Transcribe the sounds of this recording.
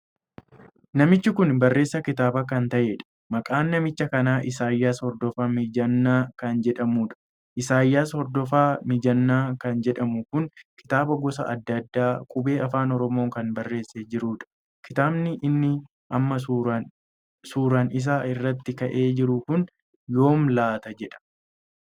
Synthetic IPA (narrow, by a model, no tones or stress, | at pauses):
nɐmɪt͡ʃːɪkʊnbɐrːe̞ːsːɐkɪt̪aːbɐkɐnt̪ɐʔeːᶑɐ̥ | mɐkʼaːnːɐmɪt͡ʃːɐkɐnaːʔɪsaːjːaːshɔɾd̪ɔfaːmɪd͡ʒɐnːaːkɐnd͡ʒɛᶑɐmuːᶑɐ̥ | ʔɪsaːjːaːshɔɾd̪ɔfaːmɪd͡ʒɐnːaːkɐnd͡ʒɛᶑɐmʊkʊnkɪ̥t̪aːbɐɡɔsɐ̰ʔɐ̰d̪ːɐd̪ːaːkʼʊbe̞ːɐfaːnɔɾɔmo̞ːŋkɐnbɐrːe̞ːsːeːd͡ʒɪɾuːᶑɐ̥ | kɪt̪aːbnɪʔɪnːɪ | ʔɐmːɐ | suːɾanɪs̬aːɪrːɐt̪ːɪkɐʔe̞ːd͡ʒɪɾʊkʊn | jo̞ːmlaːt̪ɐd͡ʒɛᶑɐ̥